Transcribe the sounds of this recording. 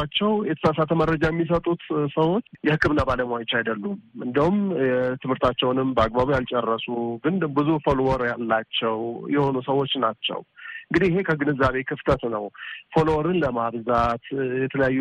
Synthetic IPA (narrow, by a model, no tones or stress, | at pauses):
at͡ʃːɛwjɛt̪ʰə̥sasat̪ʰəməɾəd͡ʒajɛmːis̬ət̪ʼut̪səwo̞t͡ʃːjɛhɨkʰːɨbɨnːabaləmwajɪt͡ʃːajd̪əlːumɨnd̪əhumɛt̪ʰɨmhɨɾt̪ʰat͡ʃːɛwnɨmbəaɡ̚baβujalt͡ʃʼɛrːəsuɡɨnd̪ɨbɨzufolwɔɾjalːat͡ʃːɛwjɛho̞nusəwo̞t͡ʃːnat͡ʃːɛ̰wɨɨŋɡɨd̪ihɪhe̞kʰəɡɨnɨzːaβe̞kʰɨft̪ʰət̪nəwfolwɔɾɨnləmaβzat̪jɛt̪ʰələjajːu